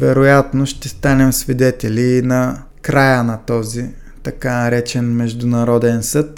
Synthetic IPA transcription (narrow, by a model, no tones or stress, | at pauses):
vɛɾojat̪noʃt̪ɛst̪anɛmsvid̪ɛt̪ɛliːnɐ | kɾajənɐt̪ɔzi | t̪ɐkanɐɾɛt͡ʃɛnmɛʒd̪ʊnɐɾɔd̪ɛnsɤt̪